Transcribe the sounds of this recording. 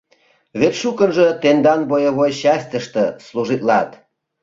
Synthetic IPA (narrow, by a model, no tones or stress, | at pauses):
βet̪ʃukənʒə̆t̪end̪ɑnbojeβojɕɑsʲt̪əʃt̪ə̆sluʒit̪lɑt̪